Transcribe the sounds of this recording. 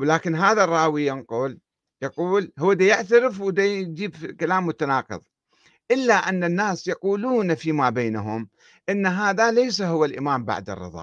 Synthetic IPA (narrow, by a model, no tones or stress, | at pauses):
wlaːkɪnɦaːðarˤːɑːwijɪnqʊːl | jɑquːlhʊwːad̪ajɪʕt̪aɾɪfwɪd̪ad͡ʒiːbkalaːmːʊt̪anɑːqɨ̰ðˤ | ʔɪlːaʔanːanːaːsjɑquːluːnfimaːbeːnaɦʊm | ʔɪnːaɦaːðalejs̬aɦʊwːalʔɪ̰maːmba̰ʕd̪ɨ̰rˤːɨ̰ðˤɑ̰ː